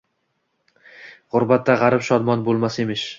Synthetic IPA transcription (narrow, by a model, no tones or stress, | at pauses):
ʁʊɾbat̪ːaʁɑɾɪpʃɒd̪mɒnbolˠmasemɪʃ